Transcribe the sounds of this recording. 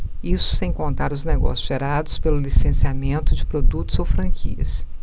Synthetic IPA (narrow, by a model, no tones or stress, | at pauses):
isʊ̥sẽj̃kõnt̪aɾʊzneɡɔ̰sjʊzʒeɾad̪ʊspelʊlisẽsiamẽnt̪ʊd͡ʒɪpɾod̪ut̪ʊz̥owfɾɐ̃kʰḭɐ̰s